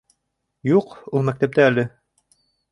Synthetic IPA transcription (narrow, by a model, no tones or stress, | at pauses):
juqulˠmækt̪æp̚t̪æːlɘ